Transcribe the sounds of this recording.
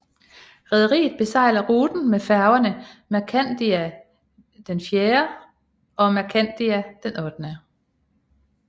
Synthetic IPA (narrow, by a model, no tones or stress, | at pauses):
ʁɛð̞ˠɐʁḭːð̩ˠb̥e̝sɑ̈ɪ̰lɐʁuːd̥n̩mefæɐʊɐnəmækʰæn̰d̥iæ | d̥enfjeːɐ | ɒ̽mækʰæn̰d̥iæd̥enɔ̽d̥nə